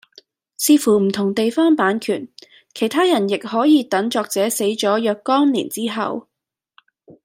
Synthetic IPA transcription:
siː˧fuː˨˩m̩˨˩t̪ʰʊ˨˩ŋt̪e˨jfɔː˥npaː˨˥nkʰyː˨˩n | kʰe˨˩jt̪ʰaː˥jɐ˨˩njɪ˨k̚hɔː˨˥jiː˨˧t̪ɐ˨˥ŋt͡ʃɔː˧k̚t͡sɛː˨˥se˨˥jt͡ʃɔː˨˥jœː˧kːɔː˥ŋlḭː˨˩nt͡siː˥ɦɐ̰˨w

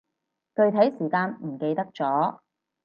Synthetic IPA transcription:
t̪ɵ˧ɥt̪ʰɐ˨˥jsiː˨˩kaː˧nm̩˨˩ke˧jt̪ɐ˥k̚t͡sɔː˨˥

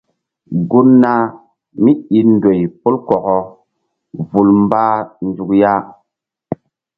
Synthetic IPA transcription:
ɡu˦nːa˦ | mi˦i˨ndo˨jpu˦lkɔ˨kɔ˦ | vu˨lm˦ba˦n˦d͡zu˨kja˦

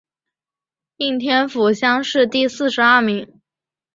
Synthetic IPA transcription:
i˥˩ŋt̪ʰjɛ˥nfu˨˩ɕjɑ˥ŋʂɻ̩˥˧t̪i˥˧sɹ̩˥˩ʂɻ̩˧˥a˥˩mi˧˥ŋ

